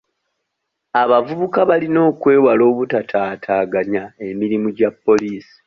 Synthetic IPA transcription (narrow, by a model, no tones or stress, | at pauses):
aβavuβukaβalino̞ːkwe̞ːwalo̞ːβutatʰaːtʰaːɡaɲae̞miɾimuɟapːo̞liːsi̥